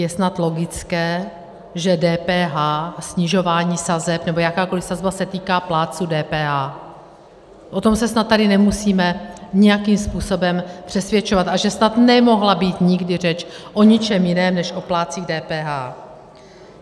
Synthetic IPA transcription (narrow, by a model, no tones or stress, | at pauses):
jɛsnat̪lo̞ɡɪt͡skɛː | ʒɛdɛːpɛːɦaːsɲɪʒo̞vaːɲiːsazɛpnɛbo̞jakaːko̞lɪfsazbasɛt̪iːkaːplaːt͡sudɛːpɛːɦaː | ʔo̞t̪o̞msɛsnat̪̚ːadɪnɛmusiːmɛɲɪjakiːmspuːso̞bɛmpr̝̥ɛsvjɛt͡ʃovat̪aʒɛsnat̪nɛmo̞ɦlabiːt̪ɲɪɡdɪr̝ɛt͡ʃʔo̞ɲɪt͡ʃɛmjɪnɛːmnɛʃʔo̞plaːt͡siːɣdɛːpɛːɦaː